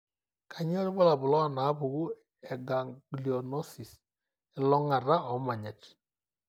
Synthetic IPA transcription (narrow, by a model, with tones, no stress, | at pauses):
kʰa˨ɲ˦ɛ˦ɾbɔ˦la˨bʊ˨lɔ˦˨na˨˦bʊ˨ɣu˦ | ɛ˨ɡa˨ŋɡli˨ɔ˨nɔ˦si˨s | ɪ˨lɔ˦ŋa˨ɾa˦ɔ˨˦ma˨ɲa˨t͡ʃi̥˦